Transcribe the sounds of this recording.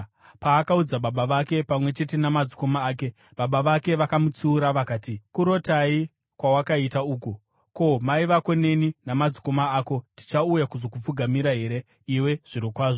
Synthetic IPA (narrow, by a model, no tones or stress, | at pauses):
paːkaud͡zaɓaɓaʋake̞pamwe̞t͡ʃe̞te̞namad͡ziko̞maːke̞ | ɓaɓaʋake̞ʋakamut͡siːɾaʋakaːtikuɾo̞tai | kwawakaitauːku | ko̞maiʋako̞ne̞ninamad͡ziko̞maaːko̞ti̥t͡ʃaujakuzo̞kup͡fuɡʱamiɾaɦe̞ɾe̞ | iwe̞ʐ̥iɾikwaːʐo